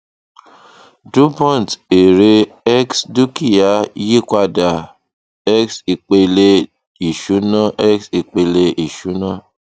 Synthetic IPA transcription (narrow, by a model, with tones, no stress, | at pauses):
du˦pɔ̃˦˨n˨te˨ɾe˧ɛ˦ksdu˦ki˦˨ja˨˦ji˦kʷa˧da˨ | ɛ˦ksi˨k͡pe˧le˧ | i˨ʃu˨˦nɔ̃˦ʔɛ˦ksi˧k͡pe˧le˧ʔi˨ʃu˨˦nɔ̃˦